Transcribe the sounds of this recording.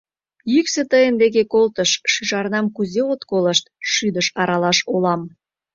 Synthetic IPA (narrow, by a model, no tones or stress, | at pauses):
jykset̪əjənd̪eɣekolt̪əʃːyʒɑrnɑmkuzeot̪koləʃt̪̚ʃyd̪əʃɑɾɑlɑʃolɑm